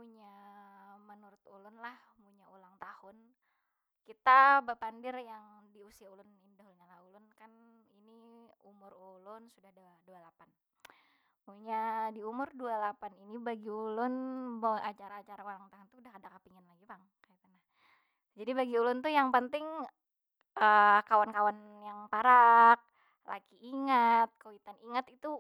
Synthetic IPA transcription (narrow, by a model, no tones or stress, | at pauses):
puɲa | mənuɾʊt̪ulʊnlahmuɲaulaŋt̪ahʊn | kit̪abəpandɪrjaŋdiusiaulʊnindaɦulɲalahulʊnkaniniumʊrulʊnsudahddualapan | muɲadiumʊrdualapaninibaɡiulʊnboat͡ʃaɾaːt͡ʃaɾaoɾaŋt̪aɦant̪uudahkadakapiŋanlaɡipaŋ | kait̪anah | d͡ʒadibaɡiulʊnt̪ujaŋpənt̪ɪŋ | ʔəkawankawan | jaŋpaɾak̚ | lʔa̰kiʔiŋat̪̚kowit̪aniŋət̪it̪u